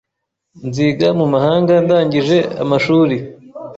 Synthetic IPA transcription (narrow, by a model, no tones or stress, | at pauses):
nziːɡamumahaːŋɡandaːɲɟiʒe̞a̰maʃuːɾi